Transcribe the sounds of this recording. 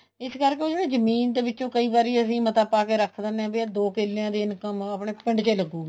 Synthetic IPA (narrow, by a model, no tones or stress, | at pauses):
ɪskəɾkeːoːd͡ʒeːɽeːzəmiːnd̪eːbɪtːt͡ʃõːkəiːbaːɾiːəsĩːmət̪apːaːkeːɾəkʰd̪ənɛ̃ːbed̪oːkɪlːeãːd̪eːɪnkəməpɳeːpɪɳɖt͡ʃeːləɡːuːɡː